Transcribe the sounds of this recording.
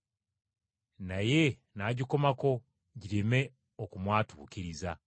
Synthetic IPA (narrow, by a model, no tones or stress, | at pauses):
naje̞ | naːɟikomako̞ | ɟiɾeme̞ | okumwaːtuːciɾiza